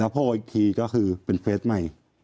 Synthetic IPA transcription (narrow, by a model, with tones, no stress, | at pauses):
ɛ˦˥pʰɔː˥˩wa˧ʔi˧t̪ʰiː˧kɔː˥˩kʰɯː˧pe˧npʰeː˦˥t̪̚ma˥˩j